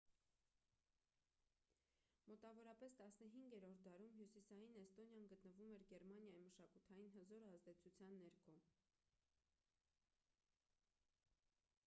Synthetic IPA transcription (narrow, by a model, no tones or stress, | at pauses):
mɔt̪ɑvɔɾɑpɛst̪ɑsnəɦiŋɡɛɾɔɾt̪̚d̪ɑɾumɦjusisɑjinɛst̪ɔnjɑnɡət̪nəvumɛɾɡɛɾmɑnjɑjiməʃɑkut̪ʰɑjinɦəzɔɾɑzd̪ɛt͡sʰut͡sʰjɑnːɛɾkʰɔ